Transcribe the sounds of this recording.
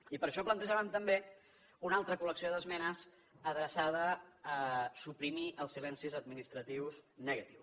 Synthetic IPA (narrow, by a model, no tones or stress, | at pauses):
ipəɾʃɔplənt̪əʒaβənt̪əmbe | unalˠt̪ɾəkuləksioðəzmɛnəz | əðɾəsað̞əː | supɾimiʔəlˠsilɛnsizəd̪̚minist̪ɾət̪iwznəɣət̪iws